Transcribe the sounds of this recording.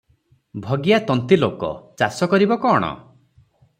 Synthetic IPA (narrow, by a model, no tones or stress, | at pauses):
bʱɔɡijat̪ɔnt̪ilokɔ̰t͡ʃasɔkɔɾibɔkɔːɽ̃ɔ̰